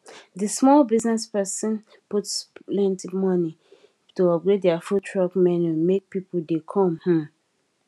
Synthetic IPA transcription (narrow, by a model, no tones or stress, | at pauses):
dismɔlbiznɛspɛsə̃n | putslɛ̃ntimɔni | tuɔpɹedɛafutʰɹɔkmɛnumek̚pipul̩dekʰɔ̃mhɔ̃